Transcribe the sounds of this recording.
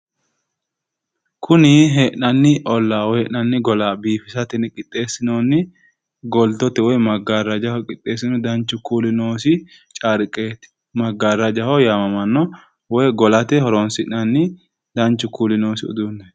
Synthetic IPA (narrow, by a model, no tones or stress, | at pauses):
kʰʊnɪɦɛʔɐnːɪʔɔlːaːwɔjhɛʔnɐnːɪɡɔlaːbiːfɪsɐt̪ɛnɪkʼɪt̪ʼːe̞ːsːɪnoːnːɪ | ɡɔlt̪ɔt̪ɛwɔjmɐɡaɾɐd͡ʒɐhɔkʼɪt̪ʼːe̞ːsːɪnɔd̪ɐnt͡ʃːʊkuːlɪnoːsɪ | t͡ʃʼaɾɪkʼːeːt̪ɪ̥ | mɐɡaɾɐd͡ʒɐhɔjaːmɐmɐnːɔ | wɔjɡɔlɐt̪ɛhɔɾonsɪʔɐnːɪ | d̪ɐnt͡ʃːʊkuːlɪnoːsɪʊ̰d̪unːɛ